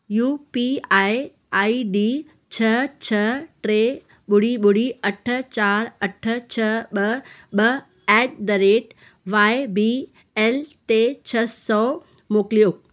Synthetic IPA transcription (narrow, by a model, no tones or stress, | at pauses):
juːpiaːɪ | aːiɖi | t͡ɕʰɐt͡ɕʰɐʈɾeː | ɓʊɽ̤iɓʊɽ̤iɐʈʰə̆t͡ɕaːɾɐʈʰə̆t͡ɕʰɐɓɐɓɐ | ɛːɖ̚d̪ɐɾeːʈ | ʋaːɪbi | ɛːlʈet͡ɕʰɐsɔ | moːklioːk